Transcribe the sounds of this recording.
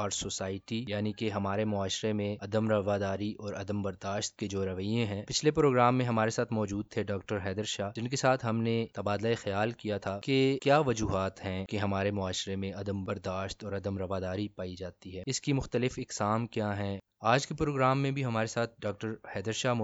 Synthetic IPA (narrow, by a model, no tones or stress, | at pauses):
ɔːɾsoːsaːɪʈijaːnikeɦɐmaːɾemʊaːʃɾemẽɐd̪əmɾɐʋaːd̪aːɾiʔɔːɾɐd̪əmbɐɾd̪aːʃt̪̚ked͡ʒoːɾɐʋəjẽɦɛ̃ːpɪt͡ʃʰlepɾoːɡɾaːmːẽɦɐmaːɾesaːt̪ʰmɔːd͡ʒuːd̪̚t̪ʰeɖɔːk̚ʈəɾɦɛːd̪əɾʃaːd͡ʒɪnkesaːt̪ʰɦɐmnet̪ɐbaːd̪laexɐjaːlkijat̪ʰakekjaːʋɐd͡ʒuːɦaːt̪ɦɛ̃keɦɐmaːɾemʊaːʃɾemẽɐd̪əmbɐɾd̪aːʃt̪ɔːɾɐd̪əmɾɐʋaːd̪aːɾipaːid͡ʒaːt̪iɦɛːɪskimʊxt̪əlɪfɪksaːmkjaɦɛ̃ | aːd͡ʒkepɾoːɡɾaːmːẽbʱiɦɐmaːɾesaːt̪̚ʰɖɔːk̚ʈəɾhɛːd̪əɾʃaː